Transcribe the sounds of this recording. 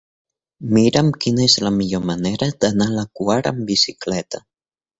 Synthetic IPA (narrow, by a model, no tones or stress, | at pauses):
miɾamkinaezlamiʎoɾmaneɾad̪analakwaɾa̰mbisiklet̪a